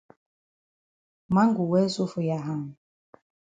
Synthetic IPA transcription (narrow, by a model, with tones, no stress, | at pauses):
ma˦ŋ˦ɡu˨wɛ˦su˦fu˨ja˨ɦa˦˨m˨